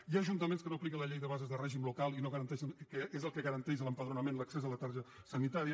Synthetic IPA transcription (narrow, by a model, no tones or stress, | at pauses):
iaːʒunt̪əmẽnskənoplikələʎejðəβazəzðərɛʒimlukalˠinoɣəɾənt̪ɛʃənkəezəlˠkəɣəɾənt̪ɛzələmpəðɾunəmenləksezələt̪aɾʒəsənit̪aɾiə